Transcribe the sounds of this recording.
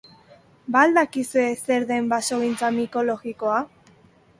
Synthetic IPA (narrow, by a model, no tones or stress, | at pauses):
bald̪akisue̞se̞ɾðe̞mbaso̞ɣint͡samiko̞lo̞ɣiko̞a